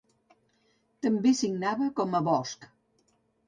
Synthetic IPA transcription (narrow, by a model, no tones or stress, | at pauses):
t̪əmbesiɡnaβəkɔməβɔsk